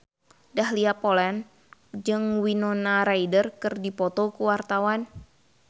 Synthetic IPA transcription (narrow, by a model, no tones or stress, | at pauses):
dahliapolɛn | d͡ʒɨŋwinɔnaɾaidərkɨrdipɔt̪ɔkuwart̪awan